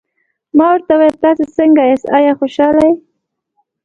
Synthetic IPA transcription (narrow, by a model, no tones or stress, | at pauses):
mɑwəɾt̪awɑjat̪ɑsesəŋɡajesɑjɑxoʃɑlaj